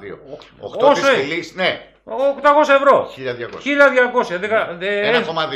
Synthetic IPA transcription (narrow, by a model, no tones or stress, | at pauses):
io̰oo̰kt̪osoilisne | okt̪ɐko̞sɐevɾo̞çiʎɐðʝɐkoçiʎɐðʝɐko̞sçɐðekɐðeeɐomɐði